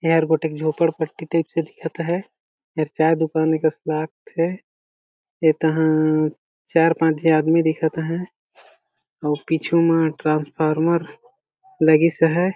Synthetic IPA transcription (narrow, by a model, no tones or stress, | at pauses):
ɦɾɡoːʈeːkd͡ʒʱoːpəɽpəʈːiʈəɪpsed̪ɪkʰət̪ɦɛ̃ | əɾt͡ʃaːjd̪ʊkaːnekaslaːk̚ʰt̪ʰɛ | et̪əɦã | t͡ʃaːɾpãːt͡ʃd͡ʒiaːd̪mid̪ɪkʰət̪ɦɛ̃ | ɔːpiːt͡ʃʰumẽʈɾãːnspʰaːɾməɾ | ləɡisəɦɛ